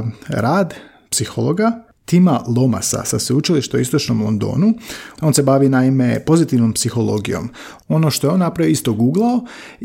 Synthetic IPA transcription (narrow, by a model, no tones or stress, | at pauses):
ɾaːd̪ | psixo̰lˠoɡa | t̪imalˠo̞ma̰sa̰saseut͡ʃiliʃt̪oist̪ot͡ʃnomlˠo̰nd̪o̰ːnuo̞ːnse̞baʋinaime̞po̞zit̪iʋnompsixo̞lˠo̞̰ɡijo̞̰m | o̞no̞ʃt̪o̞jeo̞nːapɾaʋijoist̪o̞ɡuːɡlˠao